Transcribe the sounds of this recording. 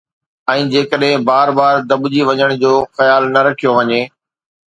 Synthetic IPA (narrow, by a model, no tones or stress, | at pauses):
ɛ̃ːd͡ʑeːkəɗɦɪ̃baːɾbaːɾd̪ɐbd͡ʑiʋɐɲəɽ̃d͡ʑoːxɐjaːlnɐɾɐkʰijoʋɐɲeː